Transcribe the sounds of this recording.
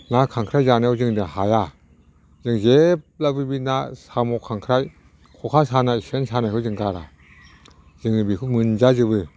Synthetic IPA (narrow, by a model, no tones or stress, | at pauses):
naːkʰaŋkʰɾajzaːnezɯŋdihaːja | zɯŋzep̚labibinasaːmokʰaŋkʰɾaj | kʰokʰaːsʰaːnajsensʰanajkʰoɯŋkaɾa̰ | zɯŋbikʰumɯnzazɯbɯ